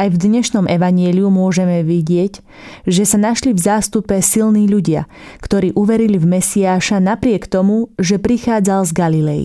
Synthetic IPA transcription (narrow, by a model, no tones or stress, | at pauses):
ajvd̪ɲɛʃnɔmɛʋaɲɪɛliumʊɔʒɛmɛʋiɟɪɛc | ʒɛsanaʃlivzaːst̪upɛsilniːʎuɟɪa̰ | kt̪ɔɾiːʔuʋɛɾilivmɛsiaːʃanapɾɪɛkt̪ɔmuʒɛpɾixaːd͡zalzɡalilɛjḭ